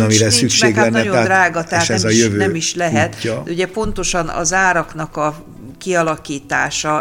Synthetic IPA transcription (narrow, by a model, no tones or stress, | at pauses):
ɒmiɾɛsykʃeːɡɛnːɛjod̪raːɡɒt̪ɛaʃɛzɒjøvønɛːmiʃlɛɦɛt̪ːd̪ɛuɟɛpo̞nt̪o̞ʃɒnɒ̰zaːɾɒknɒkɒ | kiɒlɒkiːt̪a̰ːʃɒ